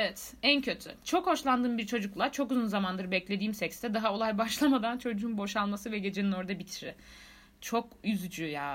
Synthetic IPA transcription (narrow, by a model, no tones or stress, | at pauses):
evɛt̪æncʰø̞t̪ʰy̰t͡ʃʰo̞kho̞ʃlˠand̪ɯːmbiɾt͡ʃʰo̞d͡ʒuklˠat͡ʃʰo̞kuzunzamand̪ɯɾbɛclʲe̞d̪iːmsɛcst̪ɛd̪aɦao̞lˠajbaʃlˠamad̪ant͡ʃʰo̞d͡ʒuunbo̞ʃalˠmasɯvɛɟe̞d͡ʒenino̞ɾd̪abit̪ʰiɾɪ | t͡ʃʰo̞kyzd͡ʒyjaː